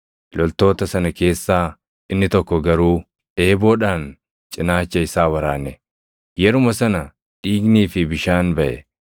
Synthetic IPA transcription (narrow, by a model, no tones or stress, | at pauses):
lɔlt̪o̞ːt̪ɐsɐnɐke̞ːsːaː | ɪnːɪt̪ɔkːɔɡɐɾuː | eːboːᶑaːn | t͡ʃʼɪnaːt͡ʃːɐɪsaːwɐɾaːnːɛ | jɛɾʊmɐsɐnɐ | ᶑiːɡniːfɪbɪʃaːnbɐʔɛ̰